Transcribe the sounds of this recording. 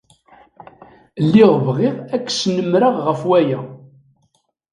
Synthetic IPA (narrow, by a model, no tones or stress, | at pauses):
lːiʁvʁɪʁækːsnəmɾaʁʁəfwæjæ